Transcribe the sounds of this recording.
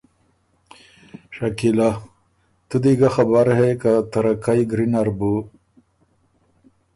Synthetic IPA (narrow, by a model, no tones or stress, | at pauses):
ʂakila | t̪ud̪iɡaxabaɾhekat̪aɾakajɡɾinaɾbu